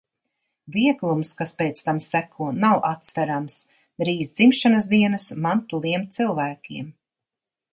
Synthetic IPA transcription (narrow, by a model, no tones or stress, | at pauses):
viɛɡlˠumskaspʲɛːt̪st̪amsækʰuɔnawʔat̪svæɾams | ɾiːzd̪zimʃanas̬d̪iɛnəsmant̪uliɛmt̪silˠvæːkʲiɛm